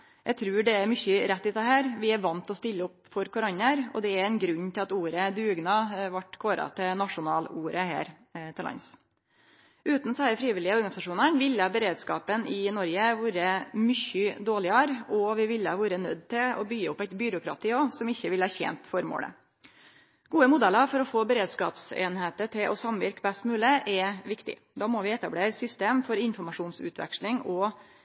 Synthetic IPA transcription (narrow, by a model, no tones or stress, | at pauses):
jʔæɪt̪ʰɾʉːɖɛæɾmʏçəɾɛt̪ːɪd̪ɛɦæːɾʋɪæɾʋɑnt̪ɔst̪ɪlːəɔpfɔɾkʰʊɾɑɲːəɾɔ̰d̪ɛæɾɛɪnɡɾʉɲːt̪ʰɪlɑt̪uːɾəd̪ʉːɡnɑʋɑʈkʰoːɾɑ̰t̪ʰɪnɑʂʊnɑːluːɾəhæ̰ːɾ | t̪ʰɪlɑ̰ns | ʔʉːt̪nsæəfɾiːʋɪlːɪəɔɾɡɑnɪsɑʂuːnəɳʋɪlːəɑbəɾeːd̪skɑ̰ːpənɪnɔɾjəʋuːɾəmʏçəd̪oːlɪɑɾɔʋɪʋɪləʋuːɾənœd̪ːt̪ʰɪlɔbʏɡːəɔpːæɪt̪bʏɾʊkʰɾɑ̰t̪ʰiːoːsɔmɪçːəʋɪlhɑːɾçḛːnt̪fɔɾmo̰ːlə̰ | ɡ̥uːəmʊd̪ɛləɾfɔɾɔfoːbəɾeːd̪skɑ̰ːpsḛːnheːt̪əʈʰɪlʔɔ̰sɑmʋɪɾkbɛst̪mʉːləʔɛʋɪkt̪ɪ̰ | d̪ɑːmɔʋɪɛt̪ɑbleːɾəsʏst̪eːmfɔɾɪnfɔɾmɑʂuːnsʉ̰ːt̪ʋɛ̰kʂlɪŋɔ